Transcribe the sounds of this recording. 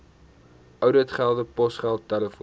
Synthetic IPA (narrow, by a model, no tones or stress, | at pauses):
ʔœwdətχælˠdəpɔsχælˠtːæləf